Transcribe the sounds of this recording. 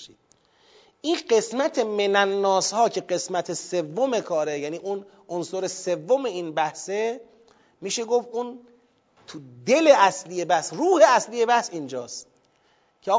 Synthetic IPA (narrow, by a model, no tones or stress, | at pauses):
ʃid̪̥̚ | ʔiːnɢe̞smæt̪ʰe̞menænːɒːshɒːcʰe̞ɢe̞smæt̪ʰese̞vːome̞kʰɒːɾejæniːʔun | onsoɾese̞vːome̞iːnbæhse | miːʃe̞ɡofun | t̪ʰud̪e̞le̞ʔæslijebæhsruːheæsliːje̞bæhsind͡ʒɒːst̪ | cʰeɒː